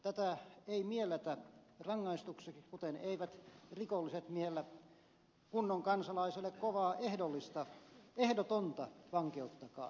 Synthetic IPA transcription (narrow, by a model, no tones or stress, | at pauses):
t̪æt̪æeimielːˑæt̪ærɑŋːɑist̪uksekkut̪eneiʋæt̪rikolːiset̪mieelːæ | kunːoŋkɑnsɑlɑiselːˑekkoʋɑːʔehdolːˑist̪ɑehdot̪ont̪ɑʋɑŋkeut̪ːɑkɑ̰ː